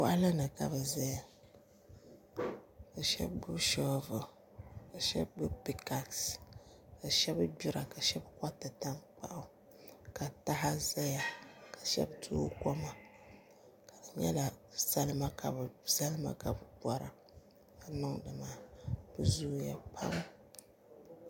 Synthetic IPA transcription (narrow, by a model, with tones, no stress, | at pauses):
kʊ˦ʔa˦la˦nɨ˨ka˨bɨ˨za˦ja˨ | ka˨ʃɛ̰˦bɡ͡bu˦bʃɔ˦vɨ˨ | ka˨ʃɛ̰˦bbu˦bpi˦ka˨ks | ka˨ʃɛ˦bbu˦ɾa˨ka˨ʃɛ˦bka˦tɨ˨ta˦ŋk͡pa̰˦ʔʊ˦ | ka˨ta˦ɦa˦za˦ja˨ka˨ʃɛ̰˦btʰu˦ko˦ma˨ | ka˨dɨ˨ɲɛ˦la˨za˦lɨ˦ma˦ka˨bɨ˨za˦lɨ˦ma̰˦ka˨bɨ˨ba˨ɾa˨ | ka˨nɨ˦ŋdɨ˨maː˨˦b̥ɨ˨zuː˦ja̰˨pʰa̰˦m